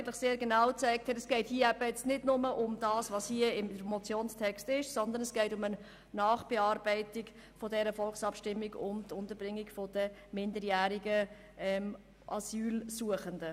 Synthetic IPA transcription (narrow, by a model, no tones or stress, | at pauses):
ɡəntləχseːɾɡenɑwt͡sæɪk̚thɛtɛsɡ̥ɛɪthiəæbəjɛt͡stnɪdnʊməʔʊmd̥ɑːsʋɑshiəɪmdəmɔt͡sjoːnstʰɛkstɪʃsɔnd̪ənɛsɡ̥ɛɪtʊmən | nɑːχb̥eɑːɾbɛɪtɪɡ | fɔdɛɾəfɔlχsɑpʃtɪmːiɡʊ̰ntʊntəɾb̥ɾɪŋːiɡfɔd̥əmɪndəɾjæːɾiɡə | ɛm | ʔɑ̰syːlsuəχəndə